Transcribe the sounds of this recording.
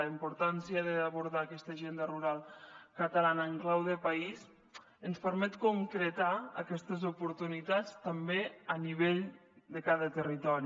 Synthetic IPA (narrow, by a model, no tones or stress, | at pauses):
əimpuɾt̪ansiəðəːβuɾðaːkɛst̪əʒend̪əruɾalˠkət̪əlanəːŋklawðəpəis | ənspəɾmɛt̪kuŋkɾət̪aə̰kɛst̪əzupuɾt̪unit̪at͡st̪əmbeəniβeʎd̪əkaðət̪ərit̪ɔɾi